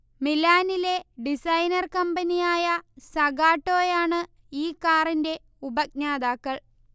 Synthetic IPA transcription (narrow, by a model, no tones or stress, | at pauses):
milaːnile̞ɖisɐjnɐrkɐmbɐnijaːjɐsɐɡaːʈːo̞ːjaːɳɨ | iːkːaːrinde̞ | ubɐk̚naːd̪aːkːɐɭ